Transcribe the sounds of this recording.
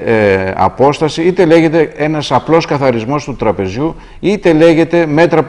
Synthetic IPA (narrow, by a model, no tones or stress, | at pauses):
ɐ̰po̞st̪ɐsiit̪e̞le̞ʝe̞t̪e̞e̞nɐsɐplo̞skɐθɐɾizmo̞st̪ut̪ɾɐpe̞zʝu | it̪e̞le̞ʝe̞t̪e̞me̞t̪ɾɐp